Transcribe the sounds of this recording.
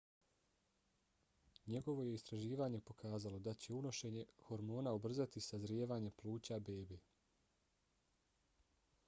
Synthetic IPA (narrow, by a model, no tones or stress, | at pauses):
ɲe̞ɡo̞ʋo̞jeist̪ɾaʒiːʋaːɲe̞po̞kaːzalo̞d̪at͡ɕe̞uno̞ʃe̞ːɲe̞xo̞ɾmo̞ːnaobr̩zat̪isazɾjeːʋaːɲe̞pluːt͡ɕabe̞ːbeː